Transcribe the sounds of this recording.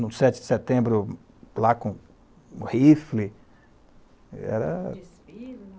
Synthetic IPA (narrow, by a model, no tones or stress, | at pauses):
nʊsɛt͡ʃɪd͡ʒɪset̪ẽbɾʊ | lakõ | hifli | ɛ̰ɾɐ̰